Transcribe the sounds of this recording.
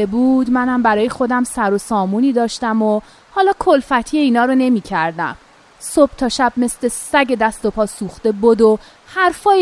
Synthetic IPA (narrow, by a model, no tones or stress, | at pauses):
ebuːd̪mænæmbæɾɒːje̞xo̞d̪æmsæɾo̞sɒːmuːniːd̪ɒːʃt̪æmo | hɒːlɒːkʰolfæt̪ʰijeiːnɒːɾone̞miːcʰæɾd̪æ̰m | sob̥̚t̪ʰɒːʃæb̚me̞sle̞sæɟe̞d̪æst̪o̞pʰɒːsuːxt̪e̞bod̪o | hæɾfɒː